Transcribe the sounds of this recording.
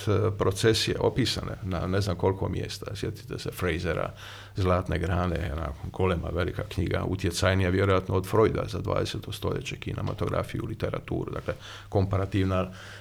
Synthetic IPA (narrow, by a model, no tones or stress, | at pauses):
pɾot̪sesijeʔo̞piːsanḛnaneznamko̞lkʰomjḛst̪asjet̪i̥t̪esefɾejzeɾa̰ | zlˠaːt̪neɡɾaːnḛena̰ɡolema̰ʋelikakɲiːɡa̰ʔut̪jet̪sajnijaʋjeɾojat̪nood̪fɾojd̪a̰zad̪ʋa̰ːd̪eset̪ost̪o̞ʎet͡ɕekinamot̪o̞ɡɾa̰fijulit̪eɾa̰t̪ṵːɾud̪akle | ko̞mpaɾat̪iːʋna